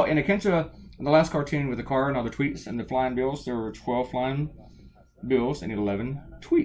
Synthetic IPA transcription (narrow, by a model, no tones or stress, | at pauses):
ɨ̃nɨkʰɛ̃ntəðəlæskʰɑɹtʰĩnwɨðɨkʰɑɹɨ̃nʌðə˞tʰw̥itsɨ̃nðɨflãɪɪ̃ŋbɪlˠzðə˞ətʰw̥ɛlˠv̥flãɪɪ̃ŋ | bɪlˠzɨ̰̃nɨ̃nlɛvɨ̃ntʰw̥i